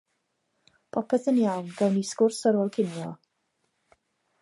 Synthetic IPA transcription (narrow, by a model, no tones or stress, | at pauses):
pʰɔpʰɛθənjawnɡɛwniskʊrsəɾoːlˠkʰɪnjɔ